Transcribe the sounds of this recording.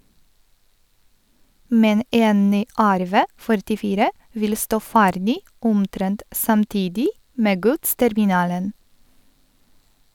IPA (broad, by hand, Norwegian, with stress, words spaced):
ˈmɛn ˈeːn ˈnyː ˈæɾˌʋeː fœɾʈɪˈfiːɾə ˈʋɪl ˈstoː ˈfæːɾdɪ ˈʊmˌtɾɛnt sɑmˈtiːdɪ ˈmeː ˈɡʉtstɛɾmɪˌnɑːlən